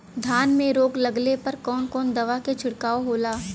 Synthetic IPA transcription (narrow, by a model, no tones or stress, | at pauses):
d̪ʱaːnmẽɾoːɡlɐɡlepɐɾkɔːnkɔːnd̪ɐʋaket͡ʃʰʊɽkaːoɦoːlaː